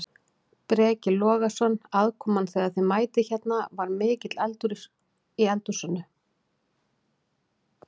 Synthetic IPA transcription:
pɾɛːcɪlɔːɣasɔnaðkʰɔːmanθɛːɣaðθɪmaːjt̪ɪçɛt̪navaɾmɪːcɪt̪lɛlt̪ʏɾɪɾ̥ | iɛlt̪ʏɾ̥sɔnːʏ

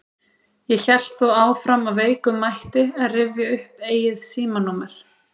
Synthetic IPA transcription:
jɛçɛl̥t̪θowaːwfɾamaveːjkʏmːajht̪ɪaðrɪvjaʏhpeːjɪðsiːmanɔmɛɾ̥

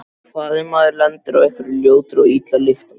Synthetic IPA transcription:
kaːðɪmaðɪɾlant̪ɪɾa̰ɣɛjhkvʏɾɪljoːwt̪ɪɾɔɣiːt̪lalɪft̪a

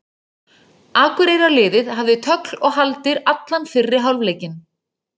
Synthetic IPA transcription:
aːkʏɾejɾalɪːðɪðɦavðɪt̪ʰœklɔɣɦalt̪ɪɾat̪lanfɪrːɪɦawlvleːjcɪn

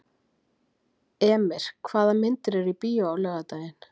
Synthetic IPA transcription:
ɛːmɪɾ̥kʰvaːðamɪnt̪ɪɾɛɾipiːjaawlœːɣat̪aɪn

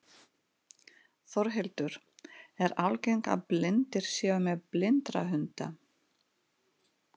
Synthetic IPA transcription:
θɔɾɦɛlt̪ʏɾ̥ | ɛɾawlcejŋka̰plɪnt̪ɪɾ̥sjaːʏmɛðplɪnt̪ɾa̰ɦʏnt̪a

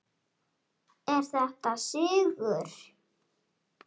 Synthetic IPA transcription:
ɛɾ̥θɛht̪asʏːɣʏɾ̥

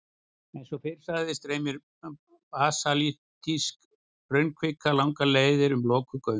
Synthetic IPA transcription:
ɛjnsɔfɪɾ̥saðɪst̪ɾeːjmɪɾ | paːsalit̪isk | pɾœɥnkʰɪkːalawŋkaleːjðɪɾʏmlɔːkʏkœːɥ

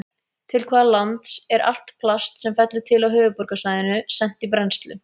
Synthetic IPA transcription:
t̪ʰɪlkʰvaːðalant̪sɛɾʔa̰l̥t̪pʰlast̪sɛmfɛt̪lʏt̪ʰɪlawɦœːvʏpɔɾkasvaːjðɪnʏsɛn̥t̪ipɾɛnst̪lʏ̰

